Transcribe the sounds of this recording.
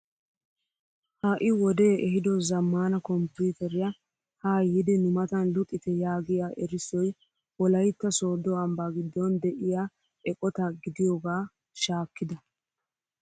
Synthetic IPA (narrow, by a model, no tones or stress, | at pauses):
haːʔɪwɔd̪e̞ːʔɛɦɪd̪ɔzɐmːaːnɐkɔmpjuːt̪ɛɾɪjɐ | haːjɪd̪ɛnʊmɐt̪ɐnlʊkʼːɪt̪ɛjaːɡɪjaːʔɛɾɪsːɔj | wɔlɐjt̪ːɐso̞ːd̪ɔɐmbaːɡɪd̪ːɔnd̪ɛʔɪjaː | ɛkʼɔt̪ɐɡɪd̪ɪjoːɡaː | ʃaːkːɪd̪ɐ